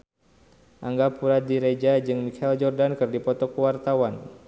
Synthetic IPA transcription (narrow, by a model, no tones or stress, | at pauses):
ʔaŋɡapuɾadiɾed͡ʒad͡ʒɨŋmikʰaɛld͡ʒɔrdankɨrdipɔt̪ɔkuwart̪awan